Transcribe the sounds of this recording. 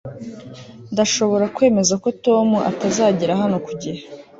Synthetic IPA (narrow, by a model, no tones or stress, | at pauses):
ndaʃo̞βo̞ɾakwe̞ːme̞zako̞to̞ːmuʔa̰tazaːɟiɾaɦano̞kuɟiɾa